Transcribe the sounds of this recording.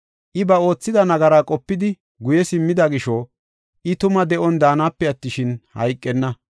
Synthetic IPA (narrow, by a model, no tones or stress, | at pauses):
ʔɪbɐo̞ːt͡sːɪd̪ɐnɐɡɐɾaːkʼɔpːɪd̪ɪ | ɡʊjɛsɪmːɪd̪ɐɡɪʃo | ʔɪt̪ʊmɐd̪ɛʔɔnd̪aːnaːpːɛɐt̪ːɪʃɪnhɐ̰jkʼːɛnːɐ